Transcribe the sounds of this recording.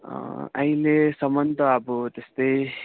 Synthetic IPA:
a̰jlesʌmʌnd̪ʌʌbut̪est̪ʌj

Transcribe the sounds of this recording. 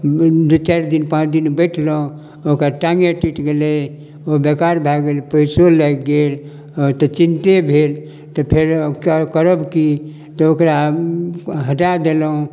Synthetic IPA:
d̪ut͡ʃaɾd̪inpãt͡ʃd̪inbəɪʈʰləɦũ | okaʈaŋɡeʈiʈɡelɛ | obekaɾbʱɛɡelpəjsolɛkɡel | t̪ɔt͡ʃint̪ebʱel | t̪ɔpʰeɾkəkəɾəbki | t̪ɔokɾa | ɦəʈad̪eləũ

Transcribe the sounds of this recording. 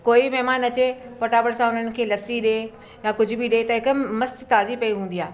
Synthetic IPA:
koːimɛɦmaːnɐt͡ɕefoːʈaːbəɽsãʊn̤ənɪ̆kʰeːlɐsiɗe | jãkʊd͡ʑʱʊbɪɗet̪ɐɦɪkʊmɐst̪t̪aːzipɐiɦũːnd̪ijaːɦe

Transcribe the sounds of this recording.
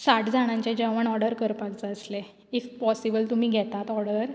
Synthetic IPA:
saʈʰd͡zʱaɽ̃ãɲt͡ɕed͡ʑeʋəɳɔɽəɾkəɾpakt͡saəsle | ifpɔsibəlt̪um̤iːɡʱɛt̪at̪ɔɽəɾ

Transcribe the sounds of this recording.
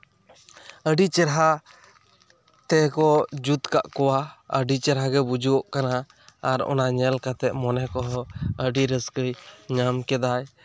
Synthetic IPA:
əɖit͡ʃɛɾɦa | t̪ɛkɔd͡ʒut̪ka̰ʔkɔwaəɖit͡ʃɛɾɦaɡɛbud͡ʒuɔʔkanaː | ɾɔ̰naɲɛlkat̪ɛʔ̚mɔnɛkɔɦɔəɖiɾəskəjɲamkɛd̪aj

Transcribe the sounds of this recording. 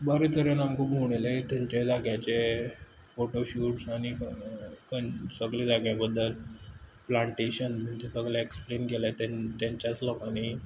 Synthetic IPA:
bəɾit̪ʰəɾjənamkubʱuɽ̃ilet̪aɲt͡ɕed͡zaɡjat͡ɕe | foʈoɕuːʈsañi | kənsəɡɭed͡zaɡjabəd̪ːəlplaɳʈeɕənməɳt̪esəɡɭaeksplenɡʱelat̪et̪ãɲt͡ɕat͡sləkani

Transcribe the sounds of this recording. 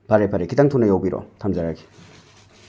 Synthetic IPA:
pʰaɾepʰaɾekʰitaŋtʰunɐjawbiɾɔ̰tʰamzaɾaɡi̥

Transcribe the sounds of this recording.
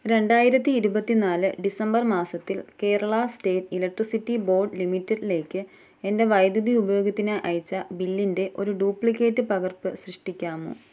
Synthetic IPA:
ɾe̞ɳɖaːjiɾɐt̪ːiːɾubɐt̪ːinaːlɨɖisɐmbɐrmaːsɐt̪ːilke̞ːɾɐɭɐste̞ːtilɐk̚ʈrisitːibo̞ːrɖlimitːɐɖile̞ːkːɨ | e̞nde̞ʋɐjd̪juðiubɐjo̞ːɡɐt̪ːineʔɐjit͡ɕːɐbilːinde̞ʔo̞ɾuɖuːpɭikːe̞ːtːɨpɐɣɐrpɨsrɨʂʈikʲːaːmo̰ː

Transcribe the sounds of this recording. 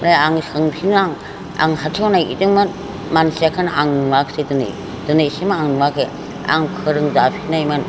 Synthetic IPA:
mɾaaŋsɯŋpʰinaŋ | a̰ŋhatʰonajḭdɯŋmɯn | mansiakʰanaŋnmakʰsedɯnɯ̰ | d̥ɯnejsimaaŋnumakʰe | a̰ŋkʰɯɾɯŋzapʰinajmɯn

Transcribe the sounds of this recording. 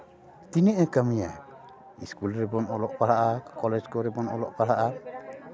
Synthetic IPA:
t̪inɛʔɛkamija̰ | iskulɾɛbɔnɔlɔʔpaɽaʔakɔlɛd͡ʒkɔɾɛbɔnɔ̰lɔ̰ʔpaɽaʔa

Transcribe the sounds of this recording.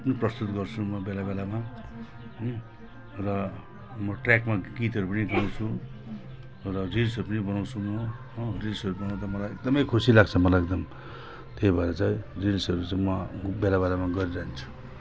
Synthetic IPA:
pʌniprʌst̪ut̪ɡʌrt͡sʰumʌbelabelama | rʌ | mʌʈrakmaɡit̪ʌɾupʌniɡʱʌnaw̃t͡sʰu | rʌrilsʌɾupʌnibʌnaw̃t͡sʰumʌ | rilsʌɾubʌnãt̪ʌmʌlajek̚d̪ʌmʌjkʰusilaɡ̚t͡sʰʌmʌlaek̚d̪ʌm | t̪eibʱaɾat͡saĩrilsʌɾut͡saĩmʌbelabelamaɡʌɾiɾaɦint͡sʰu̥

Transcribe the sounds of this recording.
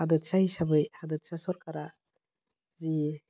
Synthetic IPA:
adɯt̪saisabɯjhad̪ɯt̪̚sasɔɾkaɾa | zi

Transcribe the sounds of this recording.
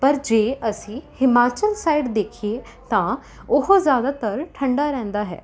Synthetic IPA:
pəɾd͡ʒeːʔəsĩːhɪmaːt͡ʃəlsaːiɖd̪eːkʰieː | t̪ãː | ʊɦozjaːd̪aːt̪əɾʈʰəɳɖaːɾɛ̃ːnd̪aːɦɛ̰ː

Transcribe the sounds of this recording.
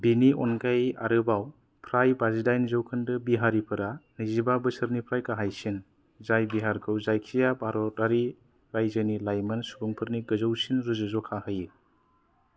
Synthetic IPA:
biniɔ̰nɡaja̰ɾɯbaw | pʰɾajbazidajnzɯwkʰɯndɯbiɦaɾipʰɯɾanizibabɯsɯɾnipʰɾajkaɦajsin | zajbiɦaɾkʰɯwzajkʰijabaɾɔtaɾi | ɾajzɯnilajmɯnsubuŋpʰɯɾniɡɯzɯwsinɾɯzɯzɔkʰahɯjɯ

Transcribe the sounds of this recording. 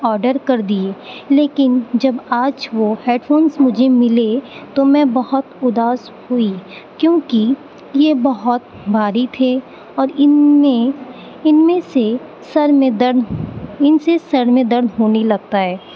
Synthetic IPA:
ɔːɾɖəɾkɐɾd̪ieːleːkɪnd͡ʒɐbaːd͡ʒʋoɛːɖfoːnsmʊd͡ʒʱemɪlet̪omɛ̃bɐɦʊt̪ʊd̪aːz | hʊikjõːki | jebɐɦʊt̪̚ | bʱaːɾit̪ʰe | ɔːɾɪẽ | ɪnmẽse | sɐɾmẽd̪ɐɾd̪ɪnsesɐɾmẽd̪ɐɾd̪ɦoːnelɐɡ̚t̪aɦɛː

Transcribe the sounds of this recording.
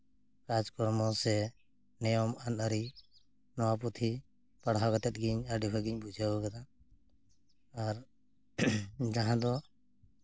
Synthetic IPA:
kad͡ʒkɔɽmɔsɛ | nɛjɔmanəɾi | nɔwaput̪ʰi | paɽɦakat̪ɛt̪̚ɡiɲaɖibʰaɡiɲbud͡ʒʱabəkat̪a | aɾ | d͡ʒaɦãd̪ɔ

